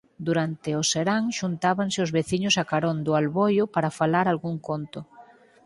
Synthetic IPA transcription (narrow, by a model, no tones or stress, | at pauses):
d̪uɾant̪ɪoseɾaŋʃunt̪aβaŋsɪʊzβeθiɲʊsakaɾond̪ʊalβojʊpaɾafalaɾalɣuŋkont̪ʊ